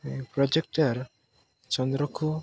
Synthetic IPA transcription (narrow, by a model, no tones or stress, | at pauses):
pɾɔd͡ʒek̚ʈaɾ | t͡ʃɔnd̪ɾɔkʰu